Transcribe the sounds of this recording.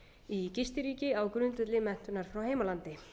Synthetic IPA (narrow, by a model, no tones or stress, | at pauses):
icɪst̪ɪɾiːcɪawkɾʏnt̪ɛt̪lɪmɛn̥t̪ʏnaɾ̥fɾawheːjmalant̪ɪ